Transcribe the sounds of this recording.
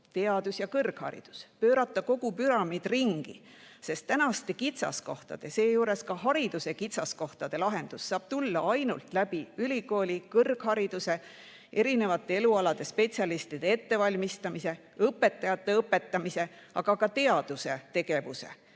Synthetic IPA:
t̪e̞ɑd̪̥usjɑkɤrɡ̥hɑ̰ɾḭd̪̥u̥spøːɾɑt̪ːˑɑko̞ɡ̥upyɾɑmid̪̥riŋɡ̥i | se̞st̪t̪ːænɑst̪e̞kit̪sɑ̰sko̞ht̪ɑ̰d̪̥e̞se̞ːjuːɾe̞skɑɦɑɾid̪̥use̞kit̪sɑsko̞ht̪ɑd̪̥e̞lɑɦe̞nd̪̥usːɑːb̥t̪ulːɑɑjnult̪ˑlæb̥iylʲiko̞ːlʲikɤrɡ̥hɑɾid̪̥use̞ | ʔe̞ɾine̞vɑt̪ːˑe̞e̞luɑlɑd̪̥e̞spe̞t̪sjɑlist̪id̪̥e̞e̞t̪ːe̞vɑlʲmist̪ɑmise̞ | ɤpːe̞t̪ˑːɑjɑt̪ːe̞ɤpːˑe̞t̪ːˑɑmise̞ | ɑɡ̥ɑkɑt̪e̞ɑd̪̥use̞t̪e̞ɡe̞vuse̞̰

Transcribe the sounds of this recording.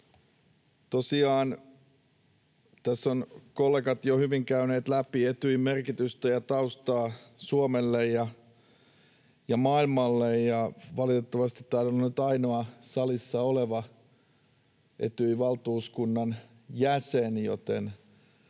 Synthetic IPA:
t̪osiɑːn | t̪æsːonkolːekɑt̪johyʋiŋkæyneːt̪læpiet̪yimerkit̪yst̪æjɑt̪ɑust̪ɑːsuomelːejjɑ | jɑmɑːilmɑlːejjɑʋɑlit̪et̪ːɑʋɑst̪it̪ːɑːnonːnyt̪ɑino̞ɑsɑlisːɑoleʋɑ | ʔḛt̪yiʋɑlt̪uːskunːɑn | jæsenjo̰t̪ḛn

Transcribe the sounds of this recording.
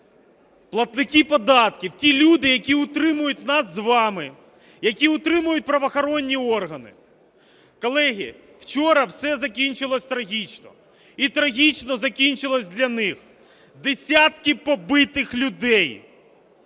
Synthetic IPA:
plˠɐt̪nɪkʲipɔd̪ɑt̪̚kʲiwtʲilʲud̪ɪjɐkʲiʊt̪ɾɪmʊjʊt̚ʲnɑsːʋɑmɪ | jɐkʲiʊt̪ɾɪmʊjʊt̚ʲpɾɐʋɔxɔɾɔnʲːiɔrɦɐnɪ̰ | kɔlˠɛɦʲi | wt͡ʃɔɾɐwsɛzɐkʲinʲt͡ʃɪlˠɔsʲt̪ɾɐɦʲit͡ʃnɔ̰ | it̪ɾɐɦʲit͡ʃnɔzɐkʲinʲt͡ʃɪlˠɔsʲd̪ʲlʲɐnɪx | d̪esʲat̪kɪpɔbɪt̪ɪxlʲʊd̪ɛj

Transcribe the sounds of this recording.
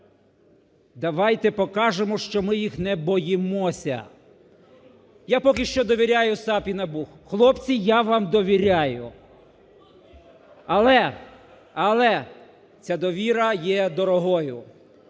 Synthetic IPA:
d̪ɐʋɑjt̪ɛpɔkɑʒemɔʃt͡ʃɔmɪjixnɛbɔjɪmɔsʲɐ̰ | japɔkʲɪʃt͡ʃɔd̪ɔʋʲiɾʲajʊsɑpʲinɐbuxxlˠɔpt͡sʲijaʋɑmd̪ɔʋʲiɾʲajʊ | ɐlˠɛ | ɐlˠɛ | t͡sʲad̪ɔʋʲiɾɐjɛd̪ɔɾɔɦɔjʊ

